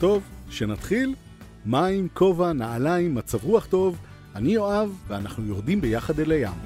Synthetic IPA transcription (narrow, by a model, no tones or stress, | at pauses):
t̪o̞vʃe̞nat̪χil | maimkʰo̞vanaalaimːat͡savʁuaχt̪o̞v | anijo̞avːeanaχnujo̞ʁd̪imbejaχad̪elaja̰m